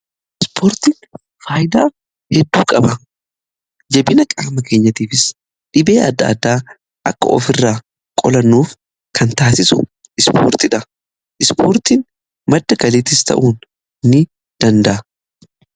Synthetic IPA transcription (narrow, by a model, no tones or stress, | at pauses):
ɪspʰoːɾt̪iːn | faːjɪd̪aː | hɛd̪ːuːkʼɐbɐ | d͡ʒɛbɪnɐkʼaːmɐkeːɲːɐt̪iːfɪs | ᶑɪbe̞ːʔɐd̪ːa̰ːd̪ːaː | ʔɐ̰kːɐ̰ʔɔ̰fɪrːaː | kʼɔ̰lɐnːuːf | kʰɐnt̪aːsɪsʊ | ʔɪspʰo̰ːɾt̪ɪᶑɐ | ʔɪspʰoːɾt̪iːn | mɐd̪ːɐɡɐliːt̪ɪst̪ʰɐ̰ʔuːn | nːɪ | d̪̥ɐnd̪ɐʔɐ